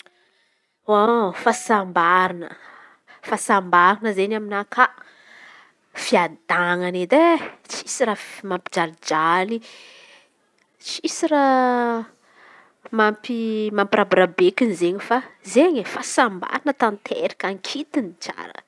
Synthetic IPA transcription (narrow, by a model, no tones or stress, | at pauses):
ofasambaɾinə̰ | fasambaɾinəzeɲaminakʰa | fiad̪aŋaned̪et͡si̥siɾafmampi̥d͡ʒalid͡ʒali | t͡sisiɾa | mampimampirabɾabekinizeɲifazeɲefasamba̰ɾinət̪ant̪ʰḛɾikaŋkʰit̪init͡sa̰ɾə̰